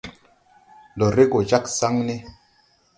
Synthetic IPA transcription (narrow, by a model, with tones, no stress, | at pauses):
lo˨ɾe˦ɡo˨d͡ʒa˦ksa˦ŋne˦